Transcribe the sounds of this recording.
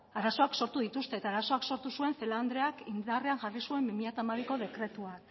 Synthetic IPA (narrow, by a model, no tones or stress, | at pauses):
aɾaso̞akso̞ɾt̪uðit̪ust̪e̞ːt̪aːɾaso̞akso̞ɾt̪usue̞nθe̞land̪ɾe̞akind̪are̞aŋʝarisue̞mbimiʎat̪amaβiko̞ð̞e̞kɾe̞t̪uak